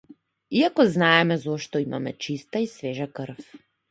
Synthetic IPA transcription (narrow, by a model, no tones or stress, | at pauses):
iakɔznaɛmɛzɔʃt̪ɔima̰mɛt͡ʃist̪aisvɛʒakəɾ̩f